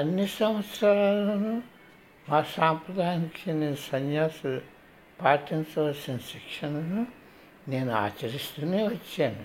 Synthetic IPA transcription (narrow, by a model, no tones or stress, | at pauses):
ɐnːisɐmʋɐt̪sɾaːllɐnu | maːsaːmpɾɐd̪ʱaːjnikʰineːnusɐnjaːsu | paːʈint͡ʃɐʋɐlsinɐsikʂɐnunu | ne̞ːnua̰ːt͡ʃɐɾist̪uneːʋɐt͡ʃːeːnu